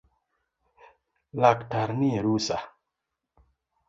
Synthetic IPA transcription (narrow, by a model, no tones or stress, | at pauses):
laktaɾnieɾusa